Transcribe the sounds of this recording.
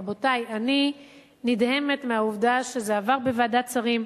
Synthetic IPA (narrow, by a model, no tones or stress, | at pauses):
bo̞tajani | nidhe̞me̞tmeauvdaʃezeavaʁbevaːdat͡saʁim